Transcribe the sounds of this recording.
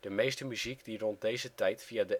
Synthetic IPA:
d̥əmejstəmyzikdirɔnt̚dejzətɛjtfiadə

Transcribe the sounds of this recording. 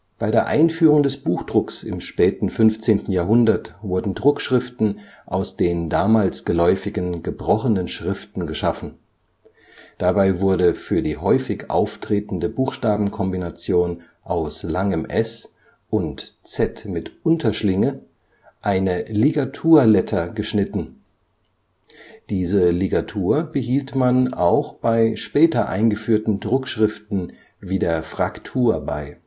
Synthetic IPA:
b̥aɪdeːɐʔaɪnfyːʁʊŋdɛsb̥uːxd̥ʁʊksɪ̰mʃpɛːtn̩fʏnft͡seːntn̩jaːɐɦʊndɐtv̥ʊɐdn̩dʁʊkʃʁ̥ɪftn̩ | ʔaʊsd̥eːndaːmaːlsɡ̥əlɔʏfɪɡənɡəbʁɔχənənʃʁ̥ɪftn̩ɡəʃafn̩ | d̥abaɪvʊɐɾəfyːɐdiːɦɔʏfɪçʔa̰ʊftʁ̥eːtn̩dəbuːxʃtaːbm̩kʰɔmbinat͡sjoːn | ʔaʊslaŋəmʔɛs | ʔʊntt͡sɛtmɪtʔʊntʰɐʃlɪŋə | ʔaɪnəleɡatʰuːɐlɛtʰɐɡəʃnɪtn̩ | d̥iːzəleɡatʰuːɐbəɦiːltmana̰ʊxb̥aɪʃpɛːtɐʔa̰ɪnɡəfyːɐtn̩dʁʊkʃʁ̥ɪftn̩ | viːdeːɐfʁ̥aktʰuːɐba̰ɪ

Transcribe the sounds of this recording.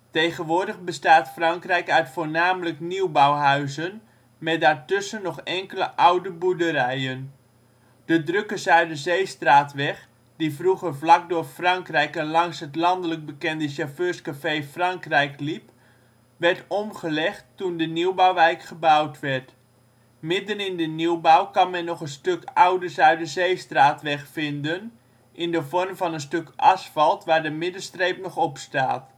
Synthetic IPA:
tejχənʋʊːɹdəχbəstaːtfrɑŋkrɛjkœɥtfoːɹnaːmələkniwbawɦœɥzən | mɛtdaːrtʏsənːɔχɛŋkələʔawdəbudəɾɛjən | d̥ədrɵkəzœɥdəzejstraːtʋɛχ | divruχərvlɑk̚dʊːrfrɑŋkrɛjkɛnlɑŋsɦətlɑndələk̚bəkɛndəʃaføːɹskafejfrɑŋkrɛjklip | ʋɛrtɔmχəlɛχtːundəniwbawʋɛjkχəbawtʋɛrt | mɪdənɪndəniwbawkɑnmɛnːɔχənstøkawdəsœɥt̚dəzejstraːtʋɛχfɪndən | ʔɪndəvɔrmvɑnənstøkʔɑsfɑlˠtʋaːrdəmɪdəstrejp̚nɔχɔpstaːt

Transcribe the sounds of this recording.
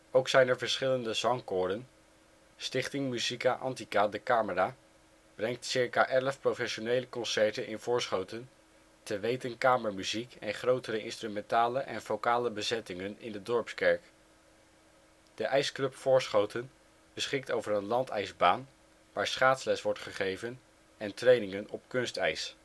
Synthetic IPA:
owksɛjnɛɹvəɹsχɪləndəzɑŋkʊːdən | stɪχtɪŋmyzikaʔɑ̰ntikaːdəkaːməraː | b̥rɛŋ̚tsɪɹkaːʔɛləfprofɛʃonejləkɔnsɛɹtənʔɪnv̥ʊːɹsχowtən | təʋejtənkaːməɹmyzikɛnχrowtəɾəʔɪ̰nstrymɛntaːləʔɛnfowkaːləbəzɛtɪŋənɪndədɔɹpskɛɹk | d̥əʔɛjsklɵpfʊːɹsχowtən | b̥əsχɪk̚towvərənlɑntɛjzbaːn | ʋaːɹsχaːtslɛsʋɔɹtχəχejvən | ɛntrejnɪŋənɔpkɵnstɛ̰js

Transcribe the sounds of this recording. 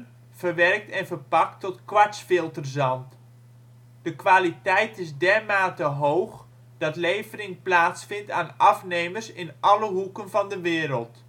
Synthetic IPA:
v̥ərʋɛrk̚tɛnvərpɑk̚tɔtkʋasfɪlˠtərzɑnt | d̥əkʋaːlitɛjtɪsdɛrmaːtəɦowx | d̥ɑtlejvərɪŋplaːtsfɪntaːnʔɑfnejmərsɪnʔɑləɦukənvɑndəʋɪːɾəlˠt

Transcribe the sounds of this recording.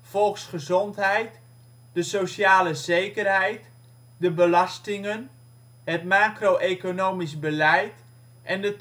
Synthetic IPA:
fɔlˠksχəzɔntɦɛjt | dəsosaːləzejkərɦɛjt | dəbəlɑstɪŋən | ɦətmaːkroʔekonoːmisbəlɛjt | ʔɛndə

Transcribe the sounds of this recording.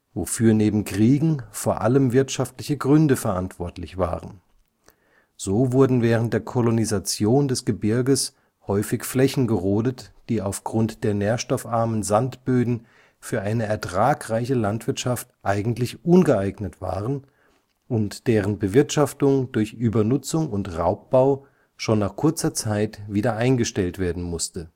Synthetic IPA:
vo̰fyːɐneːbm̩kʁ̥iːɡŋ̩foːɐʔa̰ləmvɪɐtʃaftlɪçəɡʁʏndəfɛɐʔantv̥ɔɐtlɪçv̥a̰ːʁən | z̥oːvʊɐdn̩vɛːʁ̞ən̩t̚d̥eːɐkʰɔlonizat͡sjoːndɛsɡ̥əbɪɐɡəs | hɔʏfɪçflɛçn̩ɡəʁoːdətd̥iːaʊfɡ̥ʁʊntd̥eːɐneːɐʃtɔfʔaɐmənzantb̥øːdn̩ | fyːɐʔaɪnəɛɐtʁ̥aːkʁaɪçəlantv̥ɪɐtʃaftʔaɪɡŋ̩tlɪçʔʊnɡəaɪɡnətv̥a̰ːʁən | ʔʊntd̥eːʁənbəvɪɐtʃaftʊŋd̥ʊɐçʔyːbɐnʊt͡sʊŋʊntʁa̰ʊp̚b̥aʊ | ʃoːnːaːχkʰʊɐt͡sɐt͡saɪtv̥iːdɐʔaɪnɡəʃtɛltv̥eːɐdn̩mʊstə

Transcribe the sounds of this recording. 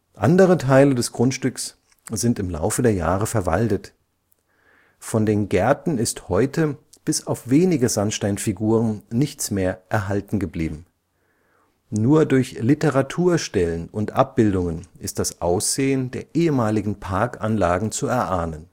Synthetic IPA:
ʔa̰ndəʁ̞ətʰaɪlədɛsɡ̥ʁʊntʃtʏks | z̥ɪntɪmla̰ʊfədeːɐja̰ːʁəfɛɐva̰ltət | fɔndeːnɡɛɐtn̩ɪsthɔʏtʰə | b̥ɪsaʊfv̥eːnɪɡəzanʃtaɪnfiɡuːʁ̞ənnɪçt͡smeːɐʔɛɐɦaltn̩ɡəbliːbm̩ | nuːɐdʊɐçlɪtəʁatʰuːɐʃtɛlənʊntʔa̰p̚b̥ɪldʊŋənʔɪst̚d̥asʔaʊsz̥eːəndeːɐʔeːəmaːlɪɡŋ̩pʰaɐkʔanlaːɡŋ̩t͡suɛɐʔaːnən

